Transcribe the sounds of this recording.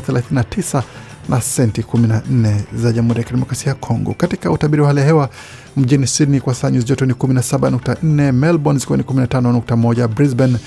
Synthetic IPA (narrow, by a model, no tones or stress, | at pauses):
θɛlaθininatʰisa | nasɛntikuminan̩nɛzaʄamuɾijakiɗɛmɔkɾasiajakʰɔŋɡɔ̰katikautaɓiɾiwahalɛjahɛwa | m̩ʄinisinikwasaːɲuziʄɔtɔnikuminasaɓanuk̚tan̩nɛmɛlbɔnsikuanikuminatanɔnuk̚tamɔɟabɾizbɛn